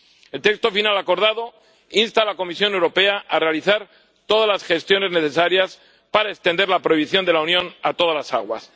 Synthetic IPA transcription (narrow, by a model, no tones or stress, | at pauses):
e̞lt̪e̞kst̪o̞finalako̞ɾðaðo̞ | inst̪alako̞misjo̞ne̞wɾo̞pe̞aʔarealiθaɾ | t̪o̞ðazlasxe̞st̪jo̞ne̞zne̞θe̞saɾjas | paɾaest̪e̞nd̪e̞ɾlapɾo̞iβ̞iθjo̞nd̪e̞launjõ̞nat̪o̞ð̞alasa̰ɣwa̰s